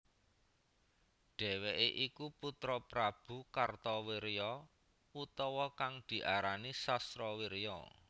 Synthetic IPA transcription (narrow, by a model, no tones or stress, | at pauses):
ɖ̥ɛ̤weʔeʔikuput̪ɾɔpɾab̥ṳkart̪ɔweɾjɔ | ut̪ɔwɔkaŋd̪̥i̤ʔaɾanisast̪ɾɔwiɾjɔ̰